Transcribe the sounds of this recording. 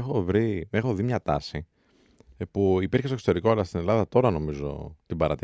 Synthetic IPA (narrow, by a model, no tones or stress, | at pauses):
exo̞vɾime̞xo̞ðimɲɐt̪ɐ̰si | puipiɾçe̞stoksot̪o̞ɾiko̞ɐlɐst̪ine̞lɐðɐt̪o̞ɾɐno̞mizo̞̰t̪ibɐɾɐt̪